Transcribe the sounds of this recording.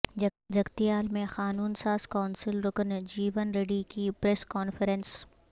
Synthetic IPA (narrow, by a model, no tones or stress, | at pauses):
d͡ʒɐɡt̪ijaːlmẽxaːnuːnsaːz̥kaːʊnsɪlɾʊkənd͡ʒiːʋənɾeːɖikipɾeːskɔːnfəɾə̃ns